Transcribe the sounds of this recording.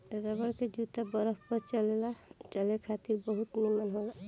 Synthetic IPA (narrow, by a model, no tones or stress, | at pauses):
ɾəbəɾked͡ʒut̪abəɾəɦpəɾt͡ʃəlelat͡ʃəlekʰat̪iɾbəɦut̪nemanɦola